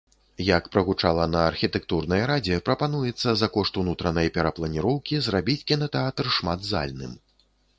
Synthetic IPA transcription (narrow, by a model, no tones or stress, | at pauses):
jɐkpɾɐɣut͡ʂalˠɐnɐːrxʲit̪ɛkt̪urnɐjɾad͡zʲɛpɾɐpanujɛt̪sːɐzɐkɔʂt̪unut̪ɾɐnɐjpʲɛɾɐplˠɐnʲiɾɔwkʲizrabʲit͡sʲkʲinɐt̪ɛat̪rʂmad̪za̰lʲnɨ̰m